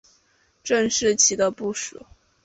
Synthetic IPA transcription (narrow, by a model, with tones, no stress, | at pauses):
ʈ͡ʂə˥˧ŋʂɻ̩˥˩t͡ɕʰi˧˥d̪ə˧pu˥˩ʂṵ˨˩˦